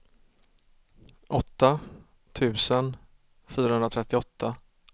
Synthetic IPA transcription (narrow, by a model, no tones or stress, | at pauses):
ʔɔt̪ːa | t̪ʰʉ̟ːsən | fyːɾahɵnɾat̪ʰɾɛt̪ːɪɔt̪ːa